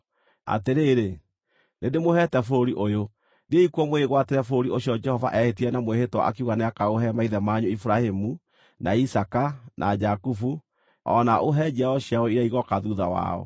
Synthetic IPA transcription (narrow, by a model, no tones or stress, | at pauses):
a̰teɾeːɾe | nedemohɛtɛfooɾiʔojo | dieikwɔmoeeɣwateɾɛfooɾioɕjɔd͡ʒɛhɔva̰ʔɛhetiɾɛnamoehetwa̰ʔa̰kiuɣaneakaoɦɛmaiðɛmaɲoifuɾahemu | nʔaisakanʔad͡ʒakufu | ɔ̰naʔoɦɛd͡ʒiaɔɕiaɔiɾaiɣɔkaðuða̰wa̰ɔ̰